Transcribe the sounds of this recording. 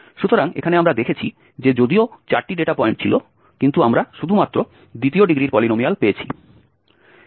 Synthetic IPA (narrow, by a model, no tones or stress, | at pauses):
ʃut̪oɾaŋḛkʰaneamɾad̪ekʰet͡ɕʰi | d͡ʑed͡ʑod̪iot͡ɕaɾʈiɖeʈapɔeɳʈ̚t͡ɕʰilo | kint̪uamɾaʃud̪ʱumat̪ːɾo | d̪it̪ioɖiɡɾiɾpɔlinomialpeet͡ɕʰḭ